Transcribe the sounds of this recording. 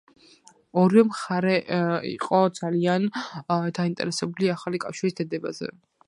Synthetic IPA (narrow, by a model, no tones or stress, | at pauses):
ɔɾivɛmχaɾɛḭqʼɔd̪zaliand̪aint̪ʼɛ̰ɾɛsɛbuliaχalikʼafʃiɾisd̪ad̪ɛba̰zɛ̰